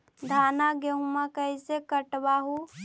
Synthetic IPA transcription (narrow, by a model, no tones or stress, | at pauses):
d̪ʱaːnaɡeũmãkəjsekəʈbaɦu